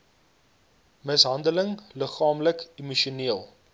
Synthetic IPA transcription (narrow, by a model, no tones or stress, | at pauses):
məsɦɐndələŋləχɑːmləkimuʃuniəlˠ